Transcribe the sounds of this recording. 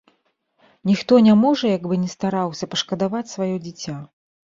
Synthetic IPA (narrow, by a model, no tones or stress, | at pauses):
nʲixt̪ɔnʲamɔʐɐjaɡbɨnʲɛst̪aɾawsʲɐpɐʂkɐd̪avat͡sʲsvajɔd͡zʲit͡sʲa